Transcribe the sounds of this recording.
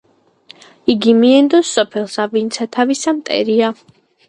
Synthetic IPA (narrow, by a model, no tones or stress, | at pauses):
iɡimiɛnd̪ɔsːɔpʰɛlˠsavint̪sʰat̪ʰavisamt̪ʼɛ̰ɾia